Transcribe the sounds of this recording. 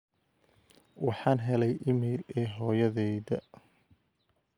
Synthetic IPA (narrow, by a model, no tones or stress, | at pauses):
wɑħɑːnɦɛlɛjʔɪmiːlɛːɦɔːjɐðɛjðɐ